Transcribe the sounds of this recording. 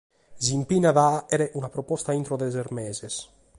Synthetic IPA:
zimpinaðaeɾeʔunapɾopɔst̪aint̪ɾoðezeɾmezes

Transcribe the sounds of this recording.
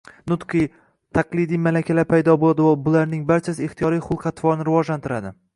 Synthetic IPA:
nʊt̪qʰɨj | t̪ʰaqlˠɪd̪ijmalakʲʰalaɾpʰajd̪ɒbolˠad̪ɪwabʊlaɾnɪŋbaɾt͡ʃʰasɪɪχt̪ijɒɾijχʊlˠqʰɑt̪ʰvɒɾnɪɾɪvɒʒlant̪ʰɪɾad̪ɪ

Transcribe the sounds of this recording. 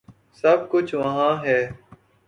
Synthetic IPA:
sɐb̚kʊt͡ʃʰʋəɦãːɦɛː

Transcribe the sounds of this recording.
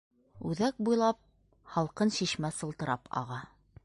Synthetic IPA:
ʉðæk̚bujlˠɑp̚ | hɑlˠqɤnɕiʃmæsɤ̆lˠt̪ɤ̆ɾɑpʰɑ̰ʁɑ

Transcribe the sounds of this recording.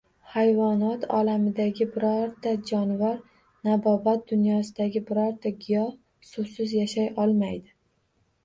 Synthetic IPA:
hajvɒnɒt̪ʰɒ̰lamɪd̪aɡʲɪbɪɾɒɾd̪ad͡ʒɒnvaɾ | nabɒbat̪̚d̪ʊnjɒsɪd̪aɡʲɪbɪɾɒɾt̪aɡʲɪjɒh | sʊsɪzjaʃajʔɒlˠmajd̪ɪ

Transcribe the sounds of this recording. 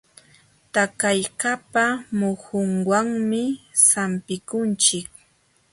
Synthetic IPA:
t̪akajkapamʊhʊŋwaŋmɪsampɪkʊnt͡ʃɪk̚

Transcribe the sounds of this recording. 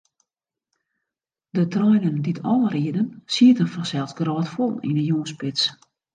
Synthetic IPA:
dətrɔjnənditʰɔləriədənsiətənfɔsɛlˠsɡrɔːtfolˠḭnəjuːspɪts

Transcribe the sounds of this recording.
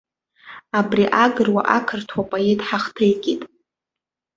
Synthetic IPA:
abriʔaɡɨrwa̰ʔakʰɨrtʰwapʼajetʼħaχtʰɨjkʲʼitʼ

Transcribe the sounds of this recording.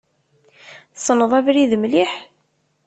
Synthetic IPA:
θsˤːnəðˤævɾiðəmliħ

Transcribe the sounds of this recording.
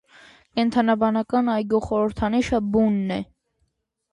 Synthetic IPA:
kɛnt̪ʰɑnɑbɑnɑkɑnɑjɡjɔχɔɾəɾt̪ʰɑniʃəbunːɛ

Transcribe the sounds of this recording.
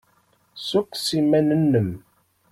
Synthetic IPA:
sukːsimænənːəm

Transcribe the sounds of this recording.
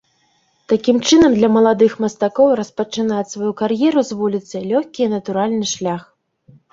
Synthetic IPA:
t̪akʲimt͡ʂɨnɐmd̪lʲɐmɐlˠad̪ɨxmɐst̪akɔwrɐspɐt͡ʂɨnat͡sʲsvajukarjɛɾuzvulʲit̪sɨjlʲɔxʲkʲinɐt̪uɾalʲnɨʂlʲax

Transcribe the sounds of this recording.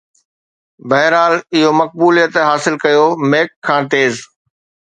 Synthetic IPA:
bɐɦɪɾaːlɪɦomɐk̚buːlijət̪ɦaːsɪlkɐjomeːkʰːãːt̪eːz

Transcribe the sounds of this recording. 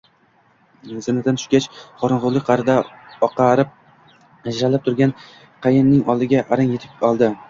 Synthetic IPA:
zɪnɪd̪anʰʊ̥ʃkʲat͡ʃχɒɾɨnʁʊlˠɪk̚ʲqʰɑɾɪd̪aɒqɑɾɪp̚ | ad͡ʒɾalɪp̚t̪ʰʊɾɡʲan | qʰɑjɪnnːɪŋɒlˠd̪ɪɡʲaʔaɾɪŋjet̪ʰɪpɒlˠd̪ɪ

